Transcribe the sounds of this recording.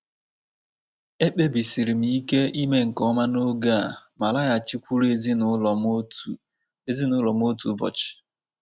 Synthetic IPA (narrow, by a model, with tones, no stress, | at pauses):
e˦k͡pe˦bi˨si˨ɾi˨m̩i˨˦ke˦i˦me˦ŋ̩˨kɔ˦ma˦no˦ɡa˦˨ma˨la˦ja˨t͡ʃi˦kʷu˦ɾe˦zi˦n˨˦lm˦˨ | e˦zi˦nʊ˨˦lɔ˨m˦o˦tu˨˦bɔ̰˨t͡ʃɪ̥˨